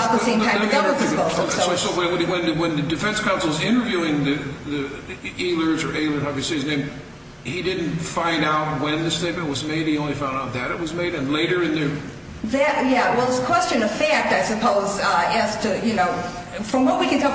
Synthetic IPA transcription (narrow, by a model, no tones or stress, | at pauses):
ðəsẽɪ̃mʰãɪmʌdɛvl̩ˠpɨ̃oʊoaɪsɔwə̃wwɨ̃nɨwɨ̃nðɨdɨfɛ̃nskʰãʊ̃nsl̩ˠzɪ̃ñə˞vjʉɪ̃ŋðɨðieɪlˠə˞zə˞ʔeɪlˠə˞haʊvɨsiɪɨznẽɪ̃m | hidɪdⁿn̩tfãɪ̃ndaʊt̚wɨ̃nðɨsteɪt̚mɨ̃n̩ʔwʌzmeɪd̚hiõʊ̃nlifãʊ̃ndaʊt̪̚ðɨɾɨt̚wʌzmeɪɾɨ̃nleɪɾə˞ɨ̃nðɨ | ðɨt̚jæwɛlˠəskʰw̥ɛst͡ʃɨ̃nʌv̥fæk̚taɪsɨpʰoʊzɨz̥tʰɨjɨnoʊ | fɹʌ̃mwʌt̚wikɨ̃ntʰɛlˠ